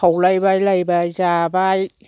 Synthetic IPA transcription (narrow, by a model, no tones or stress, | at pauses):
awlajbaːjlajbaːjt͡ɕaːbaːj